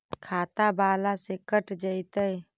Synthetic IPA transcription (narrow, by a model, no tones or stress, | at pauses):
kʰat̪abaːlasekəʈd͡ʒəjt̪əj